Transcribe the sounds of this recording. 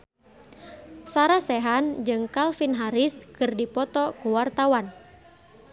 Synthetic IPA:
saɾasɛɦand͡ʒɨŋkalfinɦaɾiskɨrdipɔt̪ɔkuwart̪awan

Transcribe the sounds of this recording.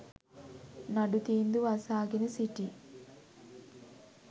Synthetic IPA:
nɐɖut̪iːnd̪uʋɐsaːɡinɐsiʈi

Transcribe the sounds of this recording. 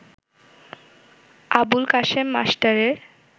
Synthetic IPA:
abulkaʃemːa̰sʈaɾeɾ

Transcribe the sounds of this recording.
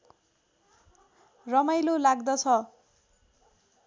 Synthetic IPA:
rʌmajlolaɡd̪ʌt͡sʰʌ

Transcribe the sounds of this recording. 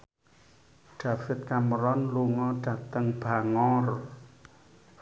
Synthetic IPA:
ɖ̥afɪt̪̚kaməɾɔnluŋɔɖ̥a̤t̪əŋb̥aŋɔr

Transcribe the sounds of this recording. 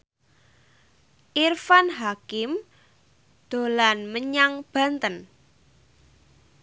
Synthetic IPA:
ʔirfanɦakɪm | d̪̥o̤lanməɲaŋb̥a̤nt̪ən

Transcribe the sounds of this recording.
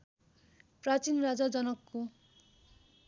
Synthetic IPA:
prat͡sinɾad͡zad͡zʌnʌkːu

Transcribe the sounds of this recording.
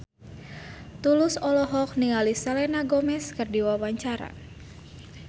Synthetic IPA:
t̪ulʊsɔlɔɦɔk̚niŋalisalɛnaɡɔmɛskərdiwawaɲt͡ʃaɾa̰

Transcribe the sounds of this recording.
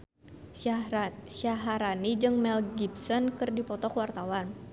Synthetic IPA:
saɦaɾanid͡ʒɨŋmɛlɡibsɔnkɨrdipɔt̪ɔkwart̪awan

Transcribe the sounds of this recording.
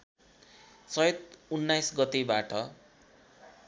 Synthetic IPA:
t͡sʌjʌt̪̚unːajsɡʌt̪ebaʈʰʌ

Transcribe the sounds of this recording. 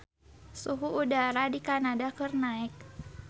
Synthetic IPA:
suɦuʔudaɾadikanadakərnaɪk̚

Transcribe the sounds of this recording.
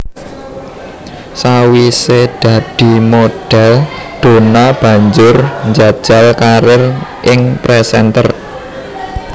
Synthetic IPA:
sawised̪̥ä̤d̪̥i̤moɖ̥ɛld̪̥o̤nab̥ä̤ɲd͡ʒʊrɲd͡ʒad̥ʒ̥a̤lkaɾɪrʔɪŋpɾɛsɛnt̪ə̰r

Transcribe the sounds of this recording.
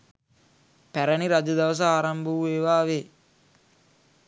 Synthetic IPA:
pæɾɐniɾad͡ʒɐd̪ɐʋɐs̬ɐaːɾɐmbuueːʋaːʋe

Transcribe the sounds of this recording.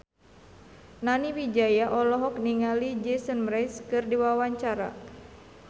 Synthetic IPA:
naniwid͡ʒajaʔɔlɔɦɔk̚niŋalid͡ʒɛsənmɾajskɨrdiwawaɲt͡ʃaɾa̰

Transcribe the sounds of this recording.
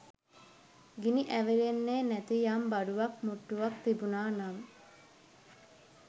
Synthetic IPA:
ɡiniʔæʋelenːeːnæt̪ijambaɖuʋɐkmuʈːuʋak̚t̪ibunaːnam

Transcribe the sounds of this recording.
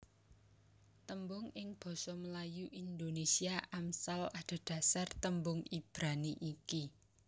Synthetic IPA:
t̪əmbʊŋɪŋb̥ɔ̤sɔməlajuʔind̪onesiaʔamsalaɖ̪̥a̤d̪̥a̤sart̪əmbʊŋib̥ɾaniʔiki

